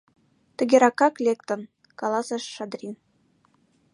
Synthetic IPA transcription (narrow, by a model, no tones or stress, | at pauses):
t̪ə̆ɡʲeɾɑkɑklʲekt̪ə̆n | kɑlˠɑsɑʃːɑd̪rʲin